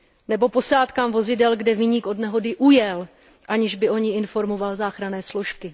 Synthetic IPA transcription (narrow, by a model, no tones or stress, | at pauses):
nɛbo̞po̞saːt̪kaːmvo̞zɪdɛlɡdɛvɪɲiːkʔo̞dnɛɦo̞dɪʔujɛl | ʔaɲɪʒbɪʔo̞ɲɪʔɪnfo̞ɾmo̞valzaːxɾanɛːslo̞ʃkɪ